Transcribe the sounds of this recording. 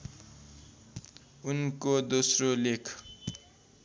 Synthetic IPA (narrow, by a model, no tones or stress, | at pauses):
unkod̪osrolekʰ